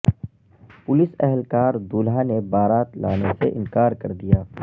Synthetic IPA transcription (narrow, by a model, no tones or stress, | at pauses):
pʊlɪsɛɦɛlkaːɾd̪uːlɦanebaːɾaːt̪laːnesḛʔɪ̰̃nkaːɾkɐɾd̪ijaː